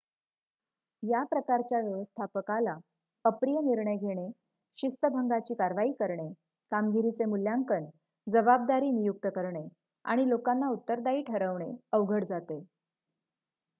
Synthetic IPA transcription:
japɾəkaɾt͡ɕjaʋjəʋəst̪ʰapəkala | əpɾijəniɾɳəjɡʱeɽ̃e | ɕist̪əbʱəŋɡat͡ɕiːkaɾʋaiːkəɾɳe | kamɡiɾit͡semuljaŋkəɳ | d͡zəbab̚d̪aɾiːnijuk̚t̪əkəɾɳe | a̰ɽ̃ilokanːaut̪ːəɾd̪aiːʈʰəɾəʋɳeəʋɡʱəɽd͡zat̪e

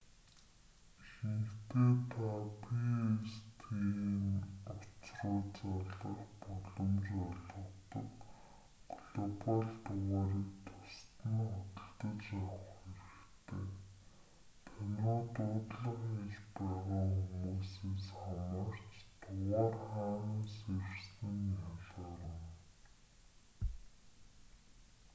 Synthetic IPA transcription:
xnɘ̆kt̪ʰeːt̪ʰapʰiest̪ʰinʊt͡srʊːt͡saɮə̆χpɔɮɞ̆mt͡ɕɔɮə̆t̪ə̰̆k | ɡ̥ɮɔpaɮt̪ʊʁaːɾiːkt̪ʰʊ̥st̪ə̆nχɔt̪ə̆ɮt̪ə̆t͡ɕjawə̆χeɾɘ̆xkt̪ʰeː | t̪ʰænʲoːt̪ʊːt̪ɮə̆χeɮpæːʁaːxumuːseːsχamə̆r̥t͡ɕt̪ʰʊʁaːrχaːnənsersniŋaɮɔːɾə̆n

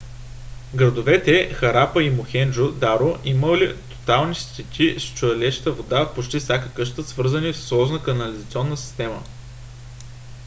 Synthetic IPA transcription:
ɡɾɐd̪ovɛt̪ɛxɐɾapəimoxɛnd͡ʒod̪aɾoʔiməlit̪o̥t̪alˠnist̪ɛt̪ʲʰist͡ʃʊɐlɛʃə̥t̪əvod̪apot͡ʃt̪ifsʲakəkɤʃt̪əsvɤɾzənifsslˠɔʒnəkɐnɐlizɐt̪sʲiɔnːəsi̥st̪ɛmə̰

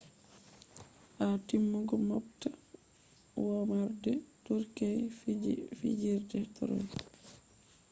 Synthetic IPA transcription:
ʔatimːuɡɔmɔp̚ta | wɔmaɾdɛtuɾkɛj | fḭd͡ʒiɾdɛtɔ̰ɾɔ̰j

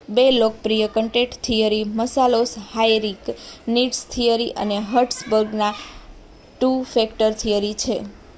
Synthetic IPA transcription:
belok̚pɾijəkəɳʈeʈt̪ʰijəɾiməsaloshajɾikniʈst̪ʰijəɾiʔə̰neɦəɾʈsbəɾɡna | ʈufekʈəɾt̪ʰijəɾit͡ʃʰe

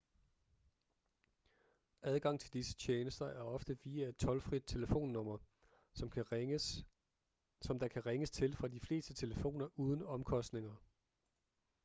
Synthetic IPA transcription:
ʔæð̞ˠɡ̥ɑ̈ŋ̰t͡sʰe̝ld̥isə̥t͡ɕʰeːnəsd̥ɐʔæɐɒ̽fd̥əʋiːæed̥̚t͡sʰɒ̽lfʁid̥̚t͡sʰe̝ləfo̝̰ːnːɔ̽m̰ɐ | m | sɒ̽md̥ɑ̈kʰæʁeŋəst͡sʰe̝lfʁɑ̈d̥ifle̝̰ːsd̥ət͡sʰe̝ləfo̝̰ːnɐʔuːð̞ˠən̩ɒ̽mkʰɒ̽sd̥ne̝ŋɐ

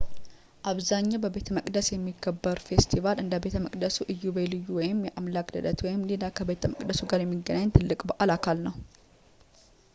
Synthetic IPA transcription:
ʔaβzaɲːabəbe̞t̪ʰəməkʼd̪əsjɛmːiɡəbːəɾfe̞st̪ʰivalɨnd̪əbe̞t̪ʰəməkʼd̪əsuʔɨjːubelɨjːuwɔjɪmjɛʔamlakd̪əd̪ət̪wɔjɪmlelakʰəbe̞t̪ʰəməkʼd̪əsuɡaɾjɛmːiɡənaɲt̪ʰɨlːɨkʼbəʔalakʰalnəw

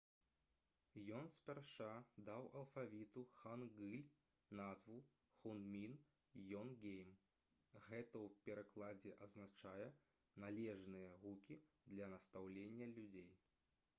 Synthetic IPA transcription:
jɔnsʲpʲarʂad̪awɐlˠfavʲit̪uxanɣɨlʲ | nazvu | xund̪mʲin | jɔnɡʲejm | ɣɛt̪ɐwpʲɛɾaklˠad͡zʲɛʔɐznat͡ʂajɛ | nalʲɛʐnɨjɐɣukʲi | d̪lʲɐnɐst̪awlʲenʲːɐlʲud͡zʲej

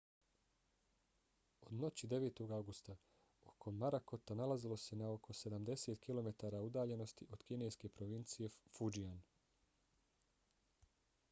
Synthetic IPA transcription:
o̞d̪no̞t͡ɕid̪e̞ʋeːt̪o̞ɡawɡust̪a | o̞kʰo̞ːaɾako̞t̪analazilo̞se̞nao̞kʰo̞se̞d̪amd̪e̞set̪kʰilo̞me̞t̪aːɾaud̪aːʎe̞no̞st̪iʔo̞d̪kine̞jske̞pɾo̞ʋint̪sije̞fud͡ʒian

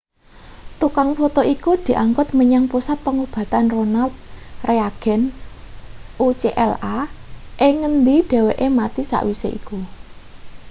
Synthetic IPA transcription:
t̪ukaŋfot̪oʔikud̪̥i̤ʔaŋkʊt̪məɲaŋpusat̪̚pəŋub̥ä̤t̪anronalt̪̚reaɡ̥ɛ̤n | ut͡ʃeʔɛlaʔeŋənd̪iɖ̥ɛ̤weʔemat̪isa̰ʔwiseʔiku

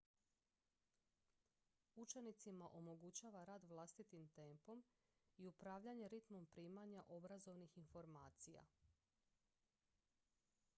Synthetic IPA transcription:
ut͡ʃe̞nit̪simaʔo̞mo̞ɡut͡ɕaːʋaɾaːd̪ʋlˠast̪it̪imt̪e̞ːmpo̞m | iupɾaːʋʎaɲe̞ɾit̪mo̞mpɾiːmaɲaʔo̞bɾazo̞ʋnixinfo̞ɾmaːt̪sija̰

